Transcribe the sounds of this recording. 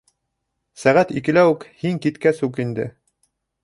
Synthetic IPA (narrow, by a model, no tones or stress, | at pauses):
sæʁæt̪ikɘ̆læwɘkhiŋkit̪kæsʉkind̪ɘ̰